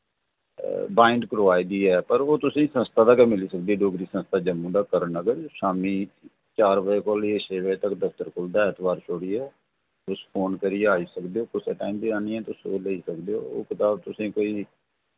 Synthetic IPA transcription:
baːɪɳɖkɾoːaːjd̪iːɛːpəɾoːt̪ʊsẽːsə̃nst̪aːd̪aːkɛːmɪliːsək̚d̪iːɛːɖoːɡɾiːsə̃nst̪aːd͡ʒəmːũːd̪aːkəɾənəɡəɾʃaːmiː | t͡ʃaːɾbəeːkɔːlieːʃeːʋəet̪əkd̪əfʰt̪əɾkʰʊld̪aːɪt̪ʰbaːɾt͡ʃʰoːɽiːɛː | ʊspʰoːnkəɾiaːiːsəkd̪eːoːkʊsɛːʈaːimb̪iːaːnĩːɛːt̪ʊso̰ːləiːsəkd̪eːo̰ːo̰ːkət̪aːb̚t̪ʊsẽːkoːiː

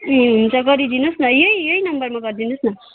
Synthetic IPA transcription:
ɦunt͡sʌɡʌɾid̪inosnʌjʌijʌinʌmbʌrmaɡʌɾd̪inosnʌ

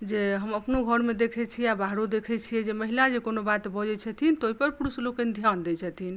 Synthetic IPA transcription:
d͡ʒeɦəməpnoɡʱəɾmed̪ekʰɛt͡ʃʰiɛabaɦɾod̪ekʰɛt͡ʃʰijɛd͡ʒeməɦilad͡ʒekonobat̪bɔd͡ʒɛt͡ʃʰət̪ʰint̪oɦipəɾpuɾuslokɛnd̪ʱjand̪ɛt͡ʃʰɛt̪ʰin

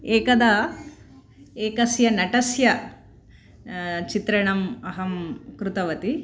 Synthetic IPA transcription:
eːkɐd̪ɐ | eːkɐsjɐnɐʈɐsjɐ | t͡ʃit̪ɾɐɳɐmɐɦɐmkɾut̪ɐʋɐt̪i

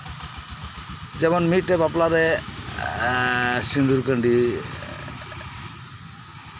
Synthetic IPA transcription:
zɛbɔnmitːɛbaplaɾɛ | sind̪uɾkəɳɖi

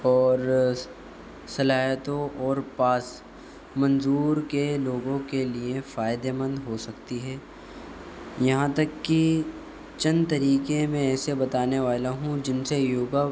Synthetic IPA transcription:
ɔːɾ | sɐlaːjət̪õʔɔːɾpaːs | mɐ̃nzuːɾkeloːɡõkeliefaːɪd̪emə̃nd̪ɦosɐkt̪iɦɛː | jɐɦãt̪ɐkːi | t͡ʃɐ̃nd̪t̪ɐɾiːkemẽɛːsebɐt̪aːneʋaːlaɦũd͡ʒɪnsejoːɡa

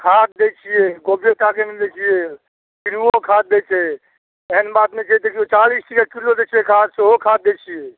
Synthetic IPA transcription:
kʰat̪̚d̪et͡ʃʰijɛɡobjet̪akemillet͡ʃʰijɛ | kiɾuokʰat̪̚d̪et͡ʃʰɛ | eɦənbat̪met͡ʃʰɛd̪ekʰijot͡ʃalisʈʰikakilod̪et͡ʃʰiɛkʰad̪soɦokʰat̪̚d̪et͡ʃʰijɛ

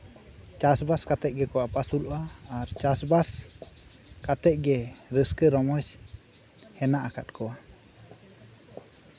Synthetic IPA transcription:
t͡ʃasbaskat̪ɛʔ̚ˀɡɛkɔwapasulɔʔaːɾt͡ʃasbas | kat̪ɛc̚ˀɡɛɾəskəɾɔmɔs | hɛnaʔaka̰t̪̚kɔwa

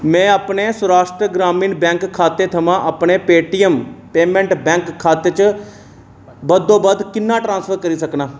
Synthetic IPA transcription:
mɛ̃ːəpneːsəɾaːʃʈ̪ɾəɡɾaːmĩːnbɛ̃ːŋkkʰːaːt̪eːt̪ʰəmãːʔəpɳeːpeːʈiːəmpeːmɛ̃ːɳʈbɛ̃ːŋkʰːaːt̪eːt͡ʃə | bəd̪õːbəd̪kɪnːãːʈɾãːnspʰəɾkəɾiːsəknãː

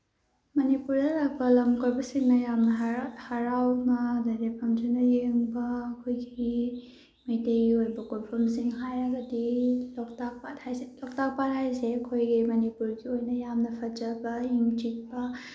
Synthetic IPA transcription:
mɐnipuɾdɐlak̚pɐlɐmkʰoɾbɐsiŋnɐjamnɐɦhɐɾawmɐdɐɾepʰɐmd͡ʒenɐjeŋbɐːkʰojɡi | meteɾiojbɐkonpʰɐmsiŋɦajɾɐɡɐdilɔk̚tak̚pat̚hajselɔk̚tak̚pat̚hajseɐkʰojɡimɐnipuɾɡiojnɐjamnɐpʰɐd͡ʒɐbɐiŋt͡ʃik̚bɐ

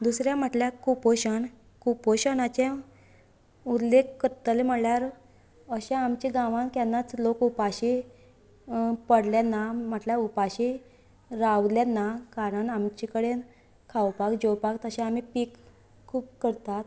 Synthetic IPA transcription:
d̪usɾjam̤əʈljakupoɕəɳ | kupoɕənat͡ɕẽ | ud̪lekːəɾt̪əleməɽljaɾ | əɕãamt͡ɕiɡãʋãŋkjanːat͡slokupaɕi | pəɽljanːam̤əʈljaupaɕi | ɾawljanːakaɾəɳamt͡ɕikəɽe | kʰawpakd͡ʑowpakt̪əɕẽamipik | kʰːuːp̚kəɾt̪at̪

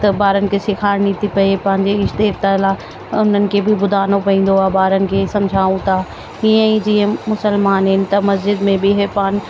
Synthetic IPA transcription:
t̪ɐbaːɾənɪ̆kʰesɪkʰaːɾnit̪ʰipɐepɐ̃ɦɪ̃ɲd͡ʑeɪʃt̪eːɾt̪ala | ʊn̤ənɪ̆kʰebʱɪbʊd̪ʱaːnopɐĩːn̆d̪oaːbaːɾənɪ̆kʰesɐ̃md͡ʑʱaːũt̪ʰa | iə̃ĩd͡ʑiə̃mʊsəlmaːnɦɪnɪ̆t̪ɐmɐsd͡ʑɪd̪mẽbiɦepaːn

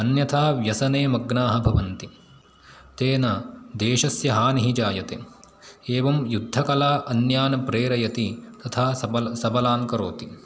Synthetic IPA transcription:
ɐnjɐt̪ʰaːʋjɐsɐneːmɐɡnaːɦɐbʱɐʋɐnt̪i | t̪eːnɐd̪eːʃɐsjɐɦaːniɦid͡ʒaːjɐt̪e | eːʋɐmjud̪ʱːɐkɐlaːʔɐnjaːnɐpɾeːɾɐjɐt̪it̪ɐt̪ʰaːɐɐsɐbɐlaːŋkɐɾoːt̪i

